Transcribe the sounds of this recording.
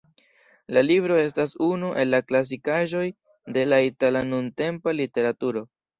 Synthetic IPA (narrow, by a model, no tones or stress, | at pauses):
lalibɾo̞e̞s̬tasunuʔe̞lːaklas̬ikaʒo̞j | de̞laitalanunte̞mpalite̞ɾatuɾo̞